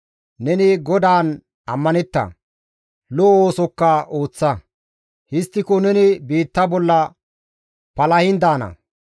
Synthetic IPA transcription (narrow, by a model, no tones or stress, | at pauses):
nɛnɪɡɔd̪aːn | ɐmːɐnɛt̪ːɐ̰ | looːsɔkːɐo̞ːt͡sːɐ | hɪst̪ːɪkɔnɛnɪbiːt̪ːɐbɔlːɐ | pɐlɐhɪnd̪aːnɐ̰